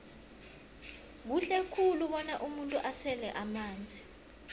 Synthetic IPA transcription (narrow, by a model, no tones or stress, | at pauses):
k̬uɬɛkʰuluɓɔnaʔumuntʼuʔasɛlɛʔamaːnd͡zʱi